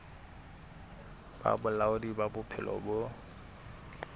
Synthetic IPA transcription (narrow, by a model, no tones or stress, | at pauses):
b̥a̰bʊlaʊdibabʊpʰɪlɔ̰bʊ